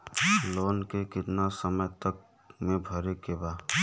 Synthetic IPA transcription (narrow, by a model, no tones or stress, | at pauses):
loːnkekɪt̪nasəməjt̪ək̚ | mẽbʱəɾekeba